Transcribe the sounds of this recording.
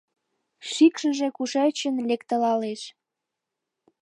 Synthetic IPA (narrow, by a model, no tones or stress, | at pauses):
ʃikʃəʒekuʃet͡ɕənlekt̪əlɑleʃ